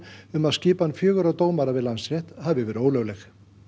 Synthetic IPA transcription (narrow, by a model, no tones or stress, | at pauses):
ʏmaðscɪːpanːfjœːɣʏɾawt̪oːwmaɾavɪðlansrjɛht̪havɪvɛːɾʏoːwlœwlɛx